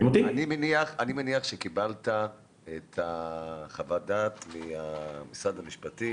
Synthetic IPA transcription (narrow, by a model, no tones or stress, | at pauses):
mot̪ianimeniaχanimeniaχʃekibalta | et̪aχavadat̪miamisad̪amiʃpati